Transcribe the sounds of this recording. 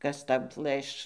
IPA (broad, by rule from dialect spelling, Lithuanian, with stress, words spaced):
ˈkɐs ˈtɐʊ ˈplˠɘʃ